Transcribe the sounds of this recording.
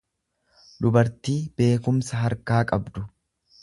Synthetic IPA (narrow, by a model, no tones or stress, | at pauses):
d̪ʊbɐɾt̪iːb̥e̞ːkʊmsɐɦɐɾkaːkʼɐbd̪ʊ